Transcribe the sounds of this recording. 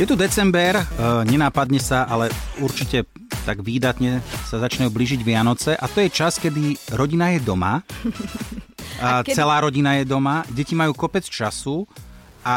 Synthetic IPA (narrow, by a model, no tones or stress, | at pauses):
jɛt̪ud̪ɛt͡sɛmbɛɾɲɛnaːpad̪ɲɛsaʔalɛuɾt͡ʃicɛ | t̪aɡʋiːd̪at̪ɲɛsazat͡ʃɲajubliːʒiɟʋɪanɔt͡sɛʔat̪ɔjɛt͡ʃaskɛd̪iɾɔɟinajɛd̪ɔma̰ | t͡sɛlaːɾɔɟinajɛd̪ɔmaɟɛcimajuːkɔpɛt͡st͡ʃasu | ʔa